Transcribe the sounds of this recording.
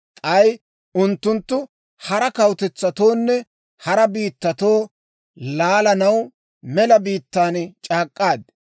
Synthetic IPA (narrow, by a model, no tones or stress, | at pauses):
t̪ʼɐj | ʊnt̪ːʊnt̪ːʊ | hɐɾɐkɐwt̪ɛt͡sːɐt̪o̞ːnːɛ | hɐɾɐbiːt̪ːɐt̪o̞ː | laːlɐnɐw | mɛlɐbiːt̪ːaːnt͡ʃʼaːkʼːaːd̪̚